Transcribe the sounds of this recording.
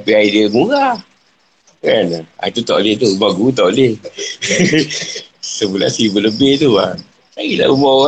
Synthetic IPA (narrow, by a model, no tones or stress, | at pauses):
piaidiəmuɣa | kana̰it̪ut̪aʔleht̪umaɡut̪̬aʔoleh | səmula̰sibələbɪht̪ua | ajila̰ʔbumoa